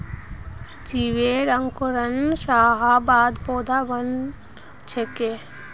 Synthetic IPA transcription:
d͡ʒiʋeɾəŋkoɾənsaːɦabaːd̪pɔːd̪ʱabən | t͡ʃʰeke

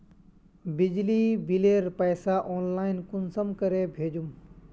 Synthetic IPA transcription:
bɪd͡ʒlibileːɾpəːsaʔɔːnlaːɪnkʊnsəmkəɾebʱeːd͡ʒum

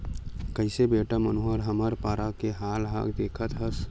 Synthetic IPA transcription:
kəɪsebeːʈamənuːɦəɾɦəməɾpaːɾakeɦaːlɦa̰ɡd̪eːkʰət̪ɦəs

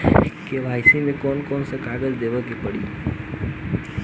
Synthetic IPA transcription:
keʋajsĩnẽkɔnkɔnsẽkaɡəd͡ʒd̪eʋəkepəɽḭ

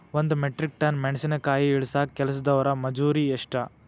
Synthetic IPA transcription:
ʋond̪umeʈɾik̚ʈɐnmeɳɐsinɐkaːjiiɭisakɛlɐsɐd̪ɐʋɐɾɐmɐd͡ʒuːɾieʂʈɐ

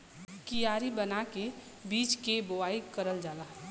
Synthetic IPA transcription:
kijaːɾibənake | biːt͡ʃkebowaikəɾəld͡ʒaːla

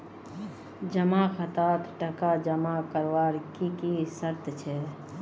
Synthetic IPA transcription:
d͡ʒəmaxʰət̪aːt̪ʈəkad͡ʒəmakəɾwaːɾkikisəɾt̪t͡ʃʰɛ

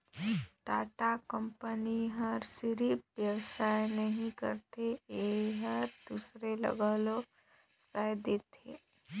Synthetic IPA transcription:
ʈaːʈakə̃mpəniɦəɾsɪɾipʋjəwsaːjnəɦĩkə̰ɾt̪eɦəɾd̪usɾelə̰ɡəlo | sajd̪eːt̪ʰḛː

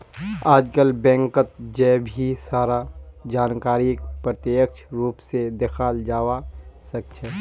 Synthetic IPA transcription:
aːd͡ʒkəlbɛ̃ːŋkət̪̚d͡ʒɛːbʱisaːɾad͡ʒaːnkaːɾik̚pɾət̪ək̚ʃʰɾuːpsed̪exʰaːld͡ʒaːwasɐk̚t͡ʃʰɛː

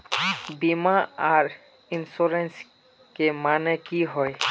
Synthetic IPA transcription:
bimaaɹ | insuɾens | kemanɛkiɦɔj

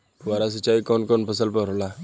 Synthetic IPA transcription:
ʋaɾas̬ət͡ɕaikɔnkɔnpəsəlpəɾola

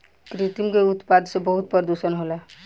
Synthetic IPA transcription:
kɾiʈ̪imkeut̪pad̪sebəɦut̪̚pəɾd̪usənɦola

